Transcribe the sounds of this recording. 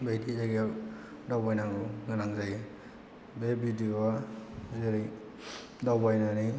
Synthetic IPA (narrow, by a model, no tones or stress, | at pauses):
bejdiaɡja | dawbajnaŋuɡɯnaŋzaj | bebidiwazeɾij | dawbajnani